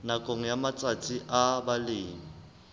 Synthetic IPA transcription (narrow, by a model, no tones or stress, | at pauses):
nakʼoŋ̩jamat͡sʼat͡sʼiʔabalɪːŋi